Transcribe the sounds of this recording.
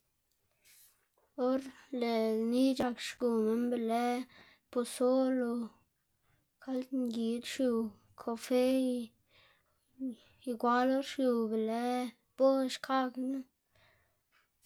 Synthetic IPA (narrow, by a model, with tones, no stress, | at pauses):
o˦ɾle˨ni˦d͡ʒa˧kʃɡu˨me˦nbe˧le˦ | po˧so˦lo˧ | kʰa˦lŋɡi˨d̪ʃju˧˨ | kʰo˧fe˦˧ | i˧ɡʷa˦lo˦ɾʃju˧be˨le˦ | b̥o˦˨ʃkʰa˦knɨ˦